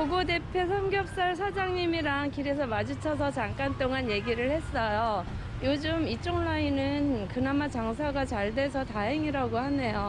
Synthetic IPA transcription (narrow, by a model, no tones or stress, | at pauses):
koɡode̞pʰjesʰʌmɡjʌp̚s͈aɭs̬ʰad͡ʑaŋɲimiɾaŋkiɾes̬ʰʌmad͡ʑit͡ɕʰʌs̬ʰʌt͡ɕaŋk͈ant͈oŋanje̞ɡiɾɯɭhe̞s͈ʌjo | jod͡ʑɯmit͡ɕ͈oŋɭainɯnkɯnamat͡ɕaŋsʰaɡat͡ɕaɭde̞sʰʌtaɦe̞ŋiɾaɡohane̞jo